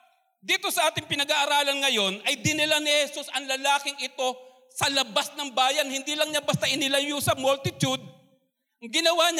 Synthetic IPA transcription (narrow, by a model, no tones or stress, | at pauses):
d̪iːt̪o̞sɐʔaːt̪ɪŋpɪnɐɡaʔːɾaːlɐnŋɐjo̞nʔɐjd̪ɪnɪlanɪhɛsusɐŋlɐlaːkɪŋɪt̪o̞ | sɐlɐbasnɐŋbaːjɐnhɪnd̪iːlɐŋɲabɐst̪aʔɪnɪlɐjusɐmolt̪ɪt̪jud̪̚ | ɐŋɡɪnɐwaːɲ